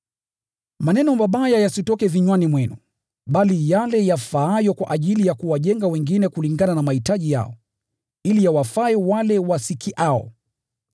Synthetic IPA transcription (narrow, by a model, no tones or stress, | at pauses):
manɛnɔmaɓajajasitɔkɛviɲwanimwɛnu | ɓalijalɛjafaajɔkwa̰ʔaʄilijakuwaʄɛŋɡawɛŋɡinɛkuliŋɡananamahitaʄija̰ɔ̰ | ilijawafaɛwalɛwasikʰiʔaɔ̰